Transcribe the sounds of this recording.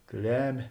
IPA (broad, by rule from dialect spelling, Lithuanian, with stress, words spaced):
ˈklʲæːmʲeː